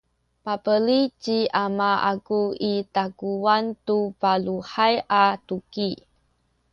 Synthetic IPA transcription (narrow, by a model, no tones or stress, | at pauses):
papəlit͡ʃiʔamaa̰kuitakuantupaluħajʔatuki